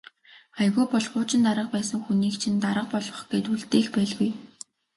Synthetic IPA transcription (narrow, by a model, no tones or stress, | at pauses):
χajɣʊːpɔɮʁʊːt͡ɕɪ̆nt̪aɾə̆q̚pæːsə̆ŋxuniːkt͡ɕʰint̪aɾə̆q̚pɔɮɞ̆χɡ̥et̪uɮt̪eːɮpæːɮɣuj